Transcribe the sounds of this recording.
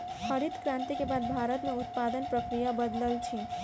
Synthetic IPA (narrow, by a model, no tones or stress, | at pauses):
xəɾit̪kɾãnt̪ikebaːd̪̚bʱaːɾət̪mẽʊt̪̚paːd̪ənpɾəkɾijabəd̪ləlt͡ʃʰi